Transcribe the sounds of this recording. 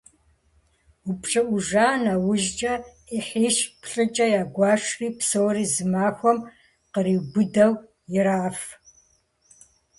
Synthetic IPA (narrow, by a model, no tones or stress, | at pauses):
ʊpɕʼɨʔʷʊʒaːnaːwʊʒt͡ʃʼɐ | iħiːʃpɬʼɨt͡ʃʼɐjaːɡʷɑːʂriːpsowriːzɨmaːxʷɔm | qəɾiːbʷʊdɐw | jɪɾaːf